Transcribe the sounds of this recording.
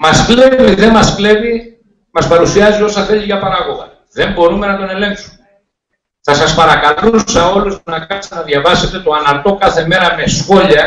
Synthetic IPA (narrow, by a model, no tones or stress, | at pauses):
mɐskle̞viðe̞mɐskle̞vi | mɐspɐɾusiɐzio̞sɐθe̞ʎiʝɐpɐɾɐɣo̞ɣɐ̰ | ðe̞mbo̞ɾume̞nɐt̪o̞ne̞le̞ŋksume | θɐsɐspɐɾɐkɐlusɐo̞lust̪unɐkɐst̪enɐðʝɐvɐse̞t̪e̞t̪oɐnɐɾt̪o̞kɐθe̞me̞ɾɐme̞sxo̞ʎɐ